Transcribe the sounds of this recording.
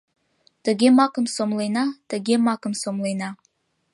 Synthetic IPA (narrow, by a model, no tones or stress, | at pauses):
t̪ə̆ɡʲemɑkə̆msomlˠɤjnɑt̪ə̆ɡʲemɑkə̆msomlˠɤjnɑ